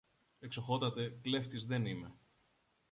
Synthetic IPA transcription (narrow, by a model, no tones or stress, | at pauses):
ekso̞xo̞t̪ɐt̪e̞kle̞ft̪izðe̞nime̞